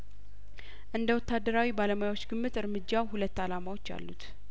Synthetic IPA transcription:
ʔɨnd̪əwɔt̪ːad̪ːəɾawibaləmajawot͡ʃːɡɨmːɨt̪ɨɾmɨd͡ʒːawhulət̪ːalamawo̞t͡ʃːa̰lːut̪

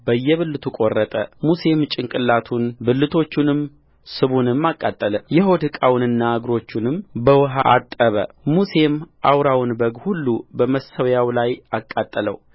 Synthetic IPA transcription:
bəjːɛβɨlːɨt̪ʰukʼo̞rːət̪ʼəmuse̞mt͡ʃʼɪŋkʼɨlːat̪ʰunbɨlːɨt̪ʰo̞t͡ʃːunɨm | sɨβunɨmːakʼːat̪ʼːələjɛɦo̞d̪hɨkʼawnɨnːaaɡɾo̞t͡ʃːunɨmbəwɨɦaʔat̪ʼːəβə̰ | muse̞mʔawɾawnbəɡhulːubəməsəwjawlajakʼːat̪ʼːələ̰w

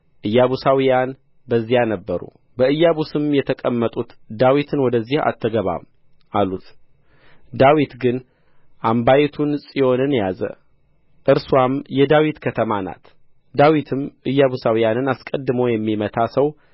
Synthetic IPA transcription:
ʔɨjːaβusawijan | bəzːijanəbːəɾṵ | bəɨjːaβusɨmjɛt̪ʰəkʼəmːət̪ʼut̪d̪awit̪ʰɨnwɔd̪əzːiha̰t̪ʰːəɡəβa̰m | ʔalut̪ | d̪awit̪ɡɨn | ʔambajɛt̪ʰunsʼijo̞nɨnjazə̰ | ʔɨɾswamjɛd̪awit̪kʰət̪ʰəmana̰t̪ | d̪awit̪ʰɨmʔɨjːaβusawijanɨnaskʼəd̪ːɨməwjɛmːimət̪ʰasəw

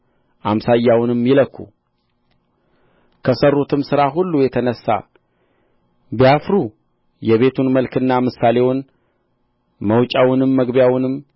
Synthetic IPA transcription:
ʔamsajːawnɨmjɪləkːṵ | kʰəsərːut̪ʰɨmsɨɾaɦulːujɛt̪ʰənəsːa̰ | bijafɾu | jɛβe̞t̪ʰunməlkɨnːamɨsːale̞wʊn | məwt͡ʃʼawʊnɨmːəɡbjawnɨm

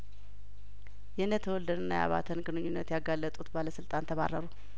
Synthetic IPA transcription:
jɛɨnːət̪ʰəwɔld̪ənɨnːa̰ja̰βa̰t̪ʰənɡɨnɨɲːunːət̪jaɡalːət̪ʼut̪baləsɨlt̪ʼant̪ʰəβa̰rːəɾu

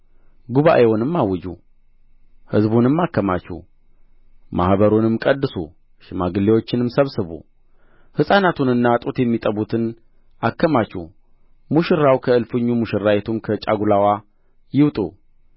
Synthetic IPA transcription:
ɡuβa̰ʔewɔnɨmːawɨd͡ʒṵ | hɨzbunɨmːakːəma̰t͡ʃːɛ̰h | ma̰hbəɾunɨmkʼəd̪ːɨsṵ | ʃɪmaɡɨlewo̞t͡ʃːɪnɨmsəβsɨβṵ | hɨsʼanat̪ʰunɨnːat̪ʼut̪jɛmːit̪ʼəβut̪ʰɨn | akːəmat͡ʃːuh | muʃɨɾːawkʰəɨlfɨɲːumuʃɪɾːajɛt̪ʰumkʰət͡ʃʼa̰ɡulawa | jɪwt̪ʼṵ

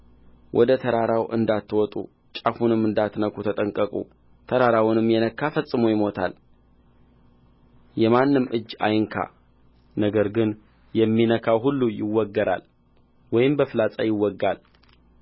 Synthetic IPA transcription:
wʔɔd̪ət̪ʰəɾaɾawʔɨ̰nd̪at̪ːwɔt̪ʼṵ | t͡ʃʼafunɨmːɨnd̪at̪nəkʰut̪ʰət̪ʼəŋkʼəkʼṵ | t̪ʰəɾaɾawʊnɨmːjɛnəkʰːafəsʼɨmojɪmo̞t̪ʰa̰l | jɛmanːɨmʔɨd͡ʒːa̰jɨŋkʰa̰ | nəɡəɾɡɨn | jɛmːinəkʰawɦulːujɪwːɔɡːəɾa̰l | wɔjɪmbəfɨlat͡sʼajɪwːɔɡːal

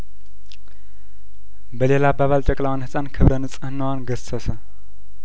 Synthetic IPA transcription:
bəle̞labaβalt͡ʃʼəkʼlawanhɨsʼankʰɨβɾənɨt͡sʼɨhɨnːawanɡəsəsə

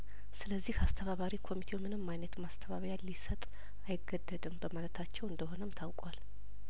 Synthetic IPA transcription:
sɨləzːihast̪ʰəβaβaɾikʰo̞mit̪ʰewmɨnɨmːajnət̪mast̪ʰəβaβɾjalisət̪ʼ | ajɪɡːəd̪ːəd̪ɨmbəmalət̪ʰat͡ʃːɛwɨnd̪əɦo̞nəmt̪ʰawkʼwal

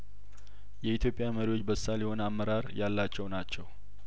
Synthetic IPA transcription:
jɛit̪ʰjo̞pʼːjaməɾiwot͡ʃːbəsːaljɛho̞nəamːəɾaɾjalːat͡ʃːɛwnat͡ʃːɛw

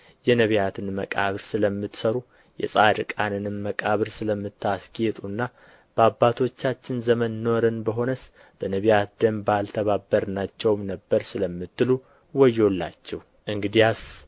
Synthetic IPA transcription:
jɛnəβjat̪ʰɨnməkʼa̰βɨɾsɨləmːɨt̪səɾu | jɛ̰sʼaɾɨkʼanɨnɨmːəkʼaβɨɾsɨləmːɨt̪ʰːasɡjet̪ʼunːa | b̥əabːat̪ʰo̞t͡ʃːat͡ʃːɪnzəmənno̞ɾənbəɦo̞nəs | b̥ənəβijat̪d̪əmbalt̪ʰəβabːəɾnat͡ʃːɛwmnəbːəɾsɨləmːɨt̪ːɨlu | wɔjːo̞lːa̰t͡ʃːɛhu | ʔɨŋɡɨd̪ijas

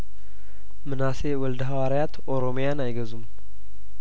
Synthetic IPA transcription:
mɨnasewɔld̪ɦawaɾjat̪ʔo̞ɾo̞mjanajɡəzum

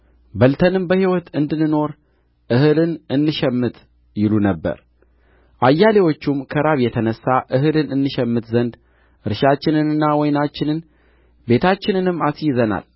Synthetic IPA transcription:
bəlt̪ʰənɨmbəhiwɔt̪ɨnd̪ɨnɨno̞ɾ | ʔɨhɨlɨnɨnːɨʃɛmːɨt̪ʰ | jɪlunəbːə̰ɾ | ʔajːalewo̞t͡ʃːumkʰəɾaβjɛt̪ʰənəsːaʔɨɦɨlɨnɨnːɨʃɛmːɨt̪zənd̪ | ɨɾɨʃat͡ʃːɪnɨnɨnːawɔjnat͡ʃːɪnɨn | be̞t̪ʰat͡ʃːɪnɨnɨmːasjzəna̰l

